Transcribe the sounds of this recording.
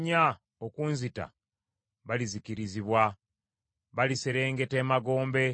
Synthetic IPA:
ɲa | okunzita̰ | βaliziciɾiziβwa | βaliseɾe̞ːŋɡe̞te̞ːmaɡo̞ːmbe̞

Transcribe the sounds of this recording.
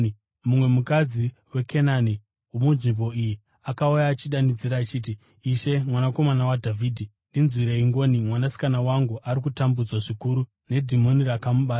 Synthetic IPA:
mumwe̞mukad͡zi | we̞kʰenani | wumunʐimbo̞iji | akaujaːt͡ʃiɗanid͡ziɾaːt͡ʃiːt̬i | iʃe̞mwanako̞manawadʱaviːdʱi | ndinzwiɾeiŋɡo̞ːnimwanasi̥kanawaŋɡuʔaɾikutambud͡zwaʐikuɾu | ne̞dʱimonirakamuɓaːsa

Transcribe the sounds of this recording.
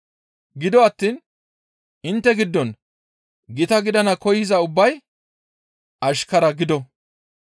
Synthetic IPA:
ɡɪd̪ɔɐt̪ːiːn | ɪnt̪ːɛɡɪd̪ːɔn | ɡɪt̪ɐɡɪd̪ɐnɐkɔjɪzɐʊbːɐj | ʔɐʃkɐɾɐɡɪd̪ɔ

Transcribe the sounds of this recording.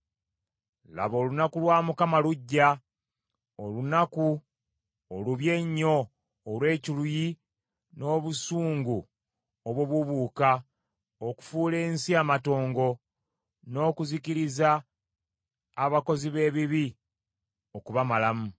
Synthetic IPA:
la̰βo̞ːlunakulwaːmukamaluɟːa | olunaku | oluβje̞ɲːo̞ː | lwe̞ːciluji | no̞ːβusuːŋɡu | oβwoβuβuːka | oku̥fuːle̞ːnsiaːmato̞ːŋɡo̞ | no̞ːkuziciɾiza | βako̞ziβe̞ːβiβi | o̞kuβamalamu

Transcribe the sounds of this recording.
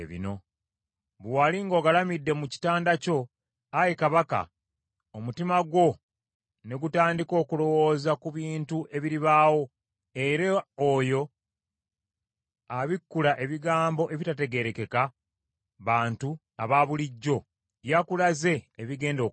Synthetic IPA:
ḛβḭno̞ | βwaliŋɡo̞ːɡalamidːe̞muci̥taːndaco̞ | ajekaβaka̰ | omutimaɡwo̞ | ne̞ɡutaːndiko̞ːkulo̞wo̞ːzakuβiːntuʔe̞βiɾiβaːwo̞ | eɾeojo̞ | aβikːulaʔe̞βiɡaːmbo̞ʔe̞βitate̞ɡe̞ɾe̞ke̞ka | βaːntu | aβaβuliɟːo̞ | jakulaze̞ːβiɡe̞ːndo̞

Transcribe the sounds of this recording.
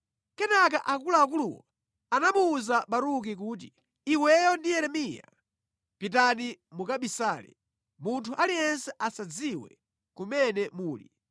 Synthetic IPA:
kɛnak̬aʔakulaːkuluwɔ̰ | anamuːzaɓaɾuk̬ik̬uːt̬i | iwɛjɔndijɛɾɛmija̰ | pitanimukaɓisaːlɛ̰ | muntʰuʔalijɛnsɛʔasad͡ziwɛ̰ | kumɛnɛmuːlḭ

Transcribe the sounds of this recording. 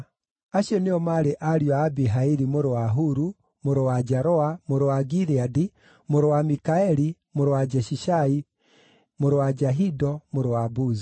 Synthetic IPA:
aɕjɔneɔmaɾeʔaɾjɔaːbiɦaiɾimoɾowaɦuɾu | moɾowad͡ʒɛɾɔamoɾowaɡiɾiadi | moɾowamikaɛɾi | moɾowad͡ʒɛʃiʃai | moɾowad͡ʒaɦidɔmoɾowabuzi

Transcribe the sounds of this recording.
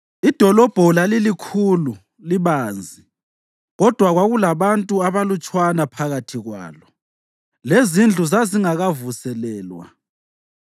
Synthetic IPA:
id̥ʱɔlɔb̥ʱɔlalilikʰuːlu | liβaːnd͡zʱi | ɣɔd̥ʱwaɣwaɣulaβantʼuaβalut͡ʃʼwanapʰaɣatʰiɣwa̰ːlɔ | lezind͡ɮʱuzaziŋaɣavusɛlɛːlwa̰

